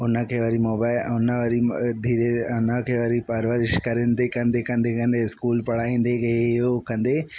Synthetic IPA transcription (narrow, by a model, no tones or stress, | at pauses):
ʊnəkʰeːʋɐɾimoːbaːɪlʊnəʋəɾid̪ʱiːɾeʊnəkʰeʋɐɾipɐɾʋəɾɪʃkɐɾend̪ekɐ̃nd̪ekɐ̃nd̪ekɐ̃nd̪eskuːlpɐɽ̤aːĩːnd̪ekeokɐ̃nd̪eː